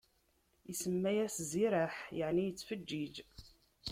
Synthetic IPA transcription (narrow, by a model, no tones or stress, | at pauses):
isəmːæjæsziɾaħjəʕnijət͡sːfəd͡ʒːid͡ʒ